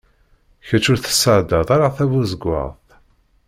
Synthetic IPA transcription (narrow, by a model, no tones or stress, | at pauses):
çæt͡ʃːʊɾθə̥səʕd̪ɑðˤaɾaθævuzəɡʷːə̰ʁθ